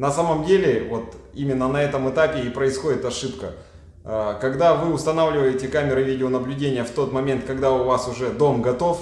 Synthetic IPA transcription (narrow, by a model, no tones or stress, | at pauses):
nɐsaməmdʲelʲɪvo̞t̪imʲɪnːənɐɛt̪əmɨt̪apʲɪːpɾəɪsxo̞dʲɪt̪ɐʂɨpkə̰ | əkɐɡd̪avɨʊst̪ɐnavlʲɪvəjɪtʲɪkamʲɪɾɨvʲidʲɪonəblʲʉdʲenʲɪjəft̪o̞t̪mɐmʲe̞nt̪̚kɐɡd̪aʊvasʊʐɛd̪o̞mɡɐt̪o̞f